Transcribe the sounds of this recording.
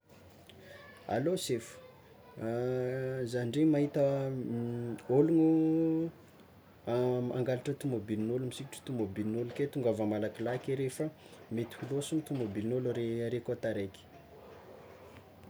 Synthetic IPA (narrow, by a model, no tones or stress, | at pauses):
a̰losefu̥ | zanɳɖ͡ʐemaɦit̪ə | oluŋu | ama̰ŋɡaliʈ͡ʂət̪umobilinolumisiki̥ʈ͡ʂi̥t̪umobilinoluket̪uŋɡavamalakilakiɾefə | met̪i̥ulosumit̪umobilnolɾeɾekot̪aɾeki̥